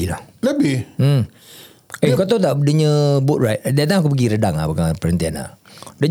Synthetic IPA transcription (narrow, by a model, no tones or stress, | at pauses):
ilahləbɪ | akot̪̬ot̪̬aʔdəɲəbʊʔ̚ɹajt̚dat̪̬aŋak̬up̬əɡiɾədaŋa̰bəkapəɾənt̪iana̰də